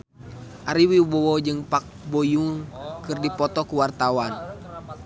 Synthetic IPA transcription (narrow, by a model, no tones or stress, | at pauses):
ʔaɾiwibɔwɔd͡ʒɨŋpak̚bɔjuŋkɨrdipɔt̪ɔkuwart̪awan